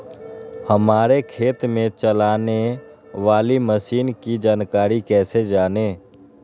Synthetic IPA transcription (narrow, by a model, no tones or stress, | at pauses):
həmaːɾekʰeːt̪mẽt͡ʃəlaːne | ʋaːliməʃiːnkid͡ʒaːnkaːɾikɛːsed͡ʒaːneː